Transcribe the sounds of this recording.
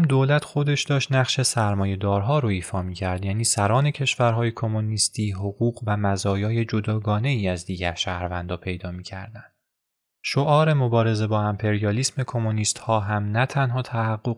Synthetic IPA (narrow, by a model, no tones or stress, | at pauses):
md̪oːlæt̪ʰxo̞d̪e̞ʃd̪ɒːʃt̪næχʃe̞sæɾmɒːje̞d̪ɒːɾɦɒːɾoiːfɒːmiːcʰæɾd̪jæːniːsæɾɒːne̞cʰe̞ʃvæɾɦɒːjekʰo̞monist̪ʰiːɦoɣuːɣvæmæzɒːjɒːje̞d͡ʒod̪ɒːɡɒːne̞iːæzd̪iːɟæɾʃæːhɾvænd̪ɒːpʰe̞jd̪ɒːmiːcʰæ̰ɾd̪æn | ʃo̞ʔɒːɾe̞mo̞bɒːɾe̞ze̞bɒːæmpʰe̞ɾijɒliːsme̞kʰo̞moniːst̪hɒːɦæmnæt̪ʰænɦɒːt̪ʰæhæɢːoɣ